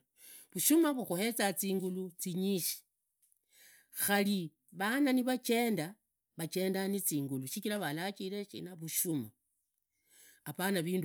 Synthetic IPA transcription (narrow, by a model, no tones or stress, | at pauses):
βuʃumaβuxuhe̞t͡sat͡siːŋɡulut͡siɲiʃi̥ | xali | βananiβat͡ʃe̞ːnda | βat͡ʃe̞ːndanit͡siːŋɡuluʃikilaβalat͡ʃile̞ʃḭnaβuʃuma | apanaβiːnd